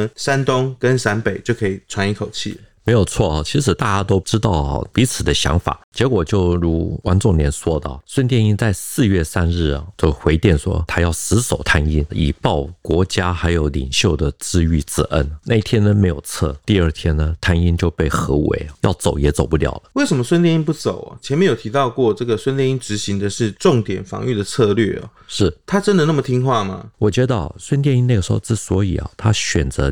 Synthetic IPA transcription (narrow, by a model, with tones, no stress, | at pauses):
sa˥nt̪ʊ˥ŋkə˦nsa˧˥npe˨˩ɪt͡ɕjo˥˩ʊkʰɤ˧˥i˨˩t͡sʰwa˧˥ni˧˥kʰo˨˩ʊt͡ɕʰḭ˥˩me˧˥ɪjo˨˩ʊt͡sʰwɔ˥˩ɐ˩t͡ɕʰi˧˥ʂ̬ɻ̩˨˩t̪a˥˩t͡ɕja˥t̪o˥ʊʈ͡ʂɻ̩˥t̪ɑ˥˩ʊɐ̰˧˩pi˧˥t͡sʰɹ̩˨˩d̪ə˦ɕjɑ̰˧˥ŋfa̰˨˩˦t͡ɕjɛ˧˥kwɔ˨˩t͡ɕjo˥˩ʊɻu˧˥wa̰˥nt͡sʊ˥˩ŋnjɛ˧˥nswɔ˥d̪ə̰˨˩swə˥nt̪jɛ˥˧ni˥˧nt͡sa˥˧ɪsɹ̩˥˧ɥɛ˥˩sa˥nɻɻ̩˥˩ɐ̰˩t͡ɕjo˥˩ʊxwe˧˥ɪt̪jɛ˥˩nʂwɔ̰˥t̪ʰa˥jɑ˥˩ʊsɹ̩˧˥so˨˩ʊt̪ʰa˥ni˥ni˨˩pɑ˥˩ʊkwɔ˧˥t͡ɕja˥xa˧˥ɪjo˧˥ʊlḭ˨˩ŋɕjo˥˩ʊd̪ə˩t͡sɹ̩˥y˥˩t͡sɹ̩˥˩ʔə˦nnʔa˥˧i˥˩t̪ʰjɛ˥nə˨me˧˥ɪjo˨˩ʊt͡sʰɤ̰˥˩t̪i˥˧ə˞˥˧t̪ʰjɛ˥nnə˨t̪ʰa˥ni˥nt͡ɕjo˥˧ʊpe˥˩ɪxɤ˧˥wḛ˧˥ɪ˩jɑ̰˥˩ʊt͡so˨˩ʊjɛ˧˥t͡so˨˩ʊpu˥t̪jɑ̰˨˩ʊlə˦we˥˩ɪʂə˧˥nmə˦swə˥nt̪jɛ˧ni˥npu˥˩t͡so˨˩˦ʊɐ̰˨˩t͡ɕʰɛ˧nmɛ˧˥njo˨˩ʊt̪ʰi˧˥t̪ɑ˥˧ʊkwɔ˥˧ʈ͡ʂɤ˥˩ɡə˨˩swə˥nt̪jɛ˥˧ni˥nʈ͡ʂɻ̩˧˥ɕi˧˥ŋd̪ə˨ʂɻ̩˥˧ʈ͡ʂʊ˥˨˩ŋt̪jɛ˨˩nfɑ̰˧˥ŋy˥˩d̪ə˩t͡sʰɤ˥˧lɥɛ̰˥˩ɐ̰˩ʂɻ̩˥˩t̪ʰa˥ʈ͡ʂə˥nd̪ə˨na˥˩mə˩t̪ʰi˥ŋxwa˥˩mɐ̰˩wɔ˨˩t͡ɕɥɛ˧˥d̪ə˥˧˩swə˥nt̪̬jɛ˥˧ni˥na˥˩ɡə˩ʂ̩˧˥xo̰˥˧ʊʈ͡ʂɻ̩˥˩swɔ˧˥i˨˩ɐ̰˩t̪ʰa˥ɕɥɛ˨˩nt͡sɤ˧˥